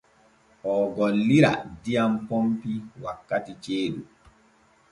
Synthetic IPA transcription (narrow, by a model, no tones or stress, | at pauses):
ʔɔɡɔlːiɾa̰dijampompiwakːatit͡ʃeːɗu